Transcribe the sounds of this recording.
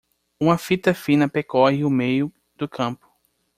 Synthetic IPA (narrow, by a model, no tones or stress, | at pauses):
ũmɐfit̪ɐfĩnɐpekɔhɪʊmejʊ | d̪̥ʊkʰɐ̃pʊ̥